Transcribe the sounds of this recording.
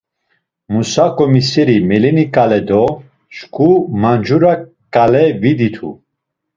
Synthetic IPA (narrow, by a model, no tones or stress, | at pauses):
musakʼɔmisɛɾimɛlinikʼalɛd̪ɔ | ʃkʰumand͡ʒuɾa | kʼalɛvid̪it̪ʰṵ